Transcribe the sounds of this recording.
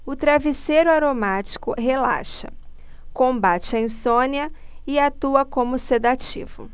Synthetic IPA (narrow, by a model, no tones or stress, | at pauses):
ʊt̪ɾavisejɾʊaɾomat͡ʃi̥kʊɦela̰ʃɐ | kõbat͡ʃɪɐẽsõniɐɪat̪uɐkõmʊsed̪at͡ʃḭvʊ̰